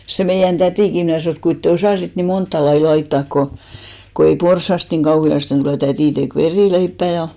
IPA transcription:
se meijæn tætiˑki mnæˑ sɑnoˑ et kuint te osɑˑsit ni montːɑ lɑi lɑitːɑˑk ko ko ei porsːɑst niŋ ɡ̊ɑuhiɑsten tuleˑ tætiˑ tek ʋeriˑleipːæˑ jɑ

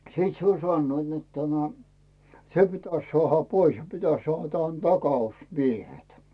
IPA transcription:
sĭt se olʲ sɑnːoit net tæmæ se pitæs sŏɑˑhɑ pois jɑ pitæs sŏɑˑh tɑn tɑkɑusmiehet

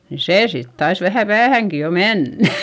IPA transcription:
ni seː sit tɑis ʋæhæ pæːhæŋki jo menːæ̥

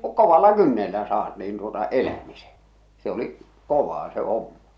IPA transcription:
koʋɑlːɑ kynːelːæ sɑːt niːn tuotɑ elæmise se oliʔ koʋɑː se homːɑ̥

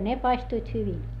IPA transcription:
ne pɑistuit hyʋin

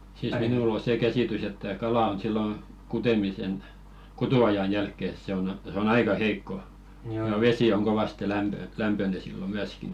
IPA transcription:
siːs minul o seː kæsiˑtys etːæ kɑlɑˑ on silːo kutemisen kutuɑjɑn jælkːe se on ɑse on ɑikɑ heikːo jɑ ʋesi oŋ koʋɑste læmpø læmpøne silːo myæski

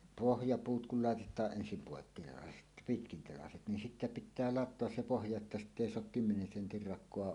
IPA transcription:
pohjɑpuːt kul lɑˑetetˑɑːʔ ʔensim poˑekːitelɑset pitkintelɑset nin sitːæ pĭtːæː lɑtˑoɑs se pohjɑ etːæ sitː eˑi soɑk kymːenen sentir rɑkˑoɑ

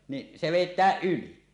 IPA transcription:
niʔ se ʋeˑitˑæːʔ ʔyli

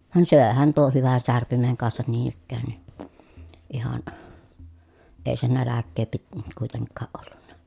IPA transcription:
ʋɑn søˑehæn tuoh hyʋæn særpimeŋ kɑnsɑn niːn ikːæːn ni ihɑn eˑi se nælækːeː pit kuˑiteŋkːɑːʔ ʔolːunːɑ

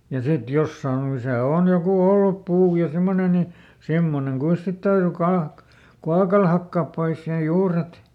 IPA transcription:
jɑ sit josːɑːn o misæ oˑn joku olːup puː jɑ simːone ni simːoneŋ kuis sit tæyry kɑːk kuɑkɑl hɑkːɑːp pois sen juːret

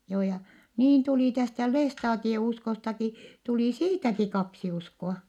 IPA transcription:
joː jɑ niːn tuliˑ tæstæ lestɑːtieuskostɑki tuliˑ siːtæki kɑksi uskoɑ

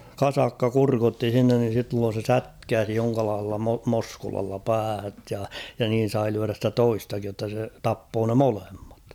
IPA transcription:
kɑsɑkːɑ kurkotːi s̞inːen ni silːoːn̞ se sætkæːsi joŋkɑlɑːh̞elːɑ mo moskulɑlːɑ pæːhæt jɑ jɑ niːn̞ sɑi lyæræ stæ toistɑkij jotːɑ se tɑpːoː ne molemːɑt

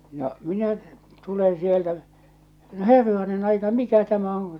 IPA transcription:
no minæ tulẽː sieltæ no herːɑnen ɑikɑ mikæ tæmæ on

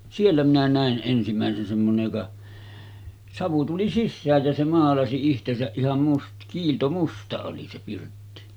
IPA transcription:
sielːæ minæ næˑen ʔensimæˑesen semːonej jokɑ sɑʋu tuli sisːæːj jæ se mɑːlɑsi ihtesæʔ ʔihɑm must kiːltomustɑ oli se pirtːi

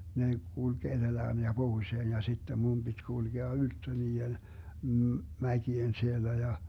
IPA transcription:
ne kulɡ̊ ed̥elæːn jɑ b̥ohuĭseːn jɑ sitːem mum b̥itʲ kulɡ̊eɑ yltːø niːen m̩ mækien sielːæ jɑ

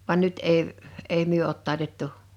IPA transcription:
ʋɑn nyt eˑi eˑi myø oˑt tɑˑi̞tetːu

